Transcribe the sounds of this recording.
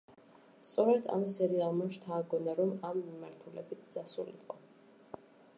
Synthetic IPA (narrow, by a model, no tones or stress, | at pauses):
st̪sʼɔɾɛd̪a̰msɛɾialˠmaʃt̪ʰaːɡɔnaɾɔmamːimaɾt̪ʰulɛ̰bit̪̚ʰd̪z̥asulḭqʼɔ